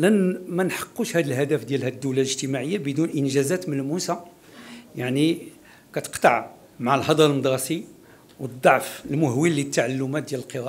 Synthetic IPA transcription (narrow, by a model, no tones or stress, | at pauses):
lænmænħɑ̥qːuʃhæd̪əlhæd̪æfd̪jælhæd̪ːuwlæləʒt̪əmaʕəjːabəd̪unʔənʒæzæt̪mənlmusa | jaʕni | kæt̪ə̥qt̪ɑʕ | maʕəlɦɑd̪ˤɑɾlməd̪ˤɾˤɑsi | wəd̪ˤːɑʕfəlmʊhwilːit̪ːaʕalːʊmæt̪̚d̪jæləlqəɾˤɑʔ